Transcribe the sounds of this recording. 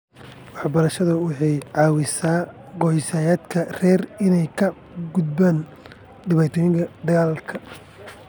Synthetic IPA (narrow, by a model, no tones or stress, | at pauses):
wɑħbɐɾɐʃɐðɐwɑħɑjʕɑːwɪsaːɡɔħɪsaːjaːd̪kʰɐrɛːrɪnɛjkʰɐ | ɡʊd̪baːn | ɖɪβaːt̪ʰɔːjɪŋkʰɐd̪ɐɣaːlkʰɐ